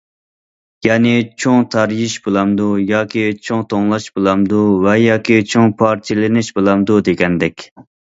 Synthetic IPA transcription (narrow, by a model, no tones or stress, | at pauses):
jɑːnɪt͡ʃʰoŋt̪ʰɑɾjiʃbɨlˠɑmd̪ujɑːkʲʰit͡ʃʰoŋt̪ʰoŋlˠɑʃbɨlˠɑmd̪uvɛjɑːkʲʰit͡ʃʰoŋpʰɑɾt͡ʃʰilɪnɪʃbɨlˠɑmd̪ud̪eɡʲɛnd̪ɛkʲ